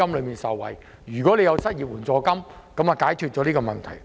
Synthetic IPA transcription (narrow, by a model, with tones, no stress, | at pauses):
ɐ˥mlɵ˨˧ɥmiː˨nsɐ˨˩wwɐ̰˨˩j | jyː˨˩kɔː˨˦˥le˨˧jɐ˨˧wsɐ˥t̚ji˨p̚wuː˨˩nt͡sɔː˧kɐ˥m | kɐ˨˥mɐ˨kaː˨˥jkʰyː˧t̚t͡ʃɔː˨˥liː˥kɔː˧mɐ˨nt̪ʰɐ˨˩j